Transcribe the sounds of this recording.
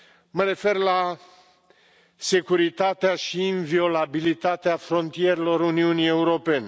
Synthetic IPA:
məɾe̞fe̞rla | se̞kuɾit̪at̪eaʃiːnvio̞labilit̪at̪eafɾo̞nt̪ije̞ɾelo̞ɾuniunije̞uɾo̞pe̞ne

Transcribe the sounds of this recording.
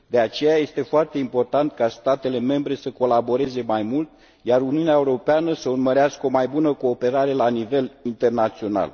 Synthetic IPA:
d̪e̞at͡ʃe̞jaje̞st̪e̞foart̪e̞impo̞rt̪ant̪̚kast̪at̪e̞le̞me̞mbɾe̞səko̞labo̞ɾe̞ze̞majmult̪ | jaɾuniuneaeuɾo̞peanəsəurməɾeaskəo̞majbunəko̞ːpe̞ɾaɾe̞lanive̞lint̪e̞rnat̪sio̞na̰l

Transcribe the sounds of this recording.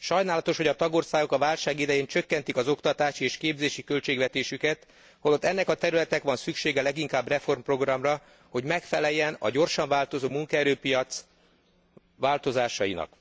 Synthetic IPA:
ʃɒjnaːlɒt̪o̞ʃho̞ɟɒt̪ɒɡo̞rsaːɡo̞kɒvaːlʃaːɡid̪ɛjeːɲt͡ʃø̞kːɛnt̪ikɒzo̞kt̪ɒt̪aːʃieːʃkeːbzeːʃikø̞lt͡ʃeːɡʋɛt̪eːʃykɛt̪ | holot̪ːɛnːɛkɒt̪ɛɾylɛt̪ɛkʋɒnsykʃeːɡɛlɛɡiŋkaːbrɛfo̞rmpro̞ɡrɒmrɒ | ho̞ɟmɛkfɛlɛjːɛnɒ̰ɟo̞rʃɒɱvaːlt̪o̞zoːmuŋkɒɛɾøːpijɒt̪s | ʋaːlt̪o̞zaːʃɒjinɒ̰k

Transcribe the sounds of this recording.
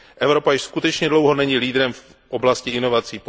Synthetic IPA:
ʔɛvɾo̞pajɪʃskut̪ɛt͡ʃɲɛdlo̞wɦo̞nɛɲiliːd̪ɾɛmf | ʔoblascɪɪno̞vat͡siːp

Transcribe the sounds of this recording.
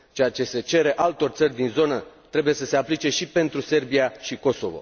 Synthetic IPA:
t͡ʃe̞at͡ʃe̞se̞t͡ʃe̞ɾe̞ʔalt̪o̞rʲt̪sərʲd̪inzo̞nət̪ɾe̞buje̞səse̞aplit͡ʃe̞ʃipe̞nt̪ɾuse̞rbiaʃiko̞so̞̰vo̞̰

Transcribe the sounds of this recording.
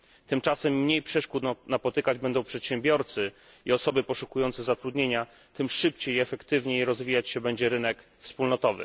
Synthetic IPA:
t̪ɘmt͡ʂasɛmːɲejpʂɛʂkut̪napɔt̪ɘkad͡ʑbɛnd̪ɔ̃w̃pʂɛt̪ɕɛmbʲjɔɾt̪sɘ | iɔsɔbɘpɔʂukujɔnt̪sɛzat̪ɾud̪ɲeɲa | t̪ɘmʂɘpt͡ɕejiɛfɛkt̪ɘvɲejɾɔzvʲijat͡ɕɕɛbɛɲd͡ʑɛɾɘnɛkfspulnɔt̪ɔvɘ̰

